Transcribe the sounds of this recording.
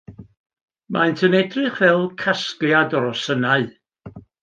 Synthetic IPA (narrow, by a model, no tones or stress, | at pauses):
mʔaɨntʰənɛdrɨχvɛlˠkʰaskljadɔɾɔsənaɨ